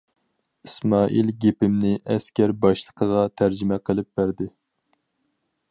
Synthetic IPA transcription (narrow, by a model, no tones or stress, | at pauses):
ismɑːʔilɡʲepɪmnɪʔɛskʲæɾbɑʃlˠəqʰəʁɑt̪ʰæɾd͡ʒɪmɛqʰəlˠɨp̚b̥æɾd̪ɪ